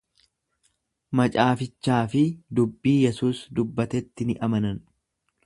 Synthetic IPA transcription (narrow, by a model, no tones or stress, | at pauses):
mɐt͡ʃʼaːfɪt͡ʃːaːfɪd̪ʊbːiːjɛsuːsd̪ʊbːɐt̪ɛt̪ːɪnɪʔɐmɐnɐn